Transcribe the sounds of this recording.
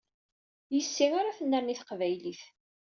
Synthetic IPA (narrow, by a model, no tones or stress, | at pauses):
jəsːiŋaɾaθənːəɾniθqvæjliθ